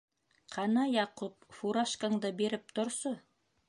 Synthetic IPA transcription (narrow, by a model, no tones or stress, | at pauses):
qʰɑnɑjɑqup̚fuɾaʃkaŋd̪ɤbeɾɘp̚t̪ŏɾso